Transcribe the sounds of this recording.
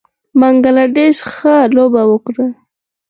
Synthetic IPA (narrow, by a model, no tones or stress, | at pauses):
maŋɡalaɖeʃxəlobawəkɾa